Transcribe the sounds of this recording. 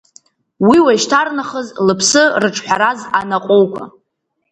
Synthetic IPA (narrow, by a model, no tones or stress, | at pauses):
wiwaiʃtʰarnaχəzlɨpʰsɨrɨʈ͡ʂʰħʷᶣaɾazanaqʼowkʷʰa̰